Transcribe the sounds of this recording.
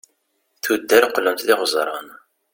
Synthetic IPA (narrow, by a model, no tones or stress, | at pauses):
θud̪ːæɾqːləmt̪ðɪʁzˤɾˤɑ̰n